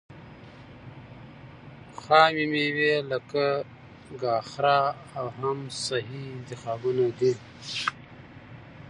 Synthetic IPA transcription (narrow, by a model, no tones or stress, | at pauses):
xaːmimewelɐka | ɡaːxɾaawɦamsɐɦiɪnt̪ixaːbunad̪e